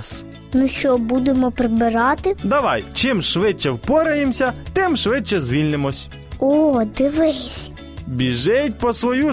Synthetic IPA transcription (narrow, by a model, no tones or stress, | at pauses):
s | mʊʃt͡ʃɔbud̪emɔpɾɪbɪɾɑt̪ɪd̪ɐʋɑjt͡ʃɪmʃʋɪt͡ʃːɛwpɔɾɐjemsʲɐt̪ɪmʃʋɪt͡ʃːɛzʋʲilʲnemɔsʲ | od̪ɪʋɪsʲ | bʲiʒɪtʲpɔsʋɔju